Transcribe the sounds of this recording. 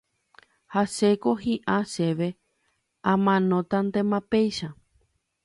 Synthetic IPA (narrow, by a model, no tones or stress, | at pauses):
haʃekoɦiʔãʃe̞ʋe̞ | ãmãnõt̪and̪ẽmãpejʃa